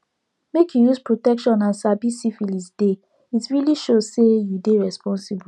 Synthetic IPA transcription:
mekjujuspɹotɛkʃɔ̃nãnsabisifilisd̥e | itɹiliʃosejudeɹɛspɔ̃nsibu

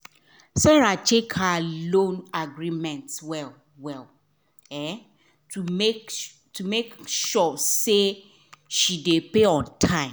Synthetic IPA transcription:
sɛɹat͡ʃʰekhalõnaɡɹimɛ̃ntwɛl | wɛl | ɛ | tumek | tumekʃɔse | ʃidepeɔ̃ntʰãɪ̃m

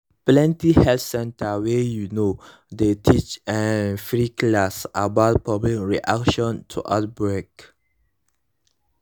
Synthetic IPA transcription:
plɛ̃ntihɛltsɛ̃ntəwejuno | detʰit͡ʃɛ̃nfɹiklasabaʊt̚pablik̚ɹiʔa̰kʃɔ̃ntʰṵʔa̰t̚bɹek

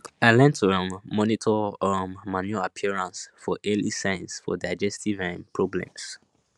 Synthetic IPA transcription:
aɪlɛ̃ntʰəɹãʊ̃ndmɔnitʰɔɔmmanjuapʰiɹãnsfɔʔɛlisãɪ̃nsfɔ̰daɪd͡ʒɛstʰivãnpʰɹɔblɛ̰̃ms

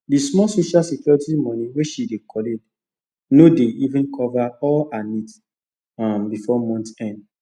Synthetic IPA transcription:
dismɔsoʃalsɛkjɔɹitimɔ̃niweʃidekʰɔled | nodeivũnkʰɔvaɔlanit | ambifɔmɔ̃ntɛ̃nd

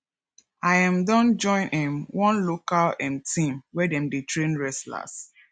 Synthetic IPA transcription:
ajãmdɔ̃nd͡ʒɔ̃ɪ̃nʔɛ̃mwɔ̃nlokalɛ̃mtĩmwɛdɛ̃mdetʰɹẽnɹɛsla̰s

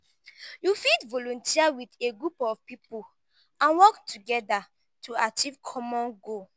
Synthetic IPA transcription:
jufitvolõntʰiawiteɡɹupɔvpipul | ãnwɔktʰuɡɛda | tʰuat͡ʃivkʰɔmɔ̃nɡo

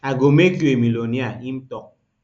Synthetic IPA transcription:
aɡomeɡjemiloniaim̩tɔk̚

